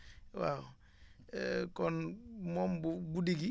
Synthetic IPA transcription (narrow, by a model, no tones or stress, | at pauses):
wa̰w | kɔnmɔmbuɡudiɡi